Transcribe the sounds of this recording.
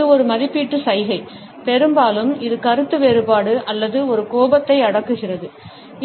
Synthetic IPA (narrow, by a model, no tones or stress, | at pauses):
ɯɔɾɯmɐðɪpːiːʈːɯsɐɪɣɐɪ | pɛɾɯmbaːlɯmɪðɯkɐɾɯt̪ːɯʋeːɾɯbaːɽɯʔɐlːɐðɯɔɾɯkoːbɐt̪ːɐɪɐɽɐkːɯɣɪrɐðɯ